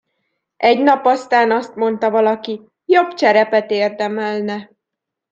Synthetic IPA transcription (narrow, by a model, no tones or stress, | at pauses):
ʔɛɟnɒpɒst̪aːnɒst̪mo̞nt̪ɒvɒlɒki | jo̞bt͡ʃɛɾɛpɛt̪eːrd̪ɛmɛlnɛ